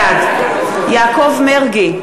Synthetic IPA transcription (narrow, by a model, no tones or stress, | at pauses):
ad | jaːkovmeʁɡe